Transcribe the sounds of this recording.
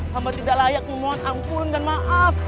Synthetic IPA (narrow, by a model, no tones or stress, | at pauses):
hambat̪idaʔlajak̚məmaanaŋkʊndanmaʔaf